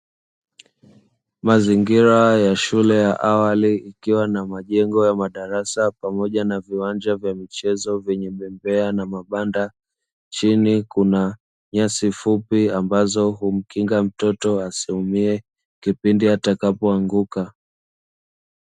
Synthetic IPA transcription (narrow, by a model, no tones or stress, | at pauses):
maziŋɡiɾajaʃulɛjaʔawaliikiwanamaʄɛŋɡɔjamaɗaɾasapamɔʄanaviwand͡ʒavjamit͡ʃɛzɔvjɛɲɛɓɛmbɛanamaɓanda | t͡ʃinikuna | ɲasifupiambazɔhum̩kiŋɡam̩tɔtɔasihumiɛ | kipindiatakapɔaŋɡuka